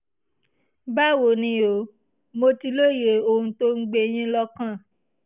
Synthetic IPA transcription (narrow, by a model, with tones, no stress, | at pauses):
ba˦wo˨nĩ˧o˨˦ | mo˧ti˧lo˦˨je˨o˧hũ˧to˦ŋ̩˦ɡ͡be˧j̃ĩ˦lɔ˦kã˦˨